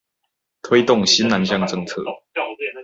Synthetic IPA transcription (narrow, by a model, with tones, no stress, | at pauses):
t̪ʰwe˥˦ɪt̪ʊ˥˨˩ŋɕi˦na˨˦nɕjɑ˥˧ŋʈ͡ʂɤ˥˧ŋt͡sʰɤ̰˥˩˨